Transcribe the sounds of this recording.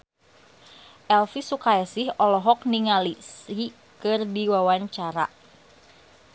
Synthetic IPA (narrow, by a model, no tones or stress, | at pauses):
ʔɛlfisukaɛsɪhɔlɔɦɔk̚niŋalisi | kɨrdiwawaɲt͡ʃaɾa̰